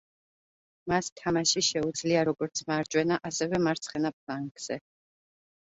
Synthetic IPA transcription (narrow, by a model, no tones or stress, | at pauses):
mast̪ʰamaʃiʃɛud̪zliaɾɔɡɔɾt̪sʰmaːɾd͡ʒʼwɛnaʔasɛvɛmaɾt̪sʰχɛnap̚ʰlˠaŋɡz̥ɛ